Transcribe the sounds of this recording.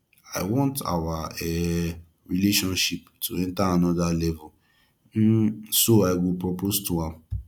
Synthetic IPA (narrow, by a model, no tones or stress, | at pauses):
a̰ɪwɔ̃nta̰waɛ | ɹileʃɔ̃nʃip̚tʰuɛ̃ntaanɔdalɛvɔ | soaɪɡipɹɔpostuãm